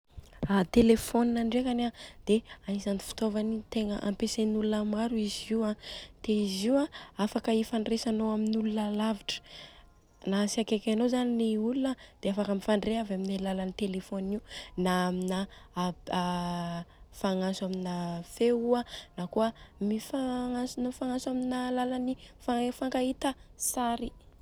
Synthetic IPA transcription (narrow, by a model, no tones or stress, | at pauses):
at̪elefoninaɳɖ͡ʐekanad̪̥eaizanifi̥t̪ovanit̪eŋəʔa̰mpesenulunamaɾuiziwat̪eiziwaafakəifaɳresanoaminulunalaviʈ͡ʂə̥ | nasiakekanozaniniulunad̪̥eafakamifaɳɖ͡ʐeɦavaminalalanit̪elefoniunaːmina | faŋasuaminafeuanakoəmifaŋasunafaŋasaminalalanifafaŋɡait̪əsaɾi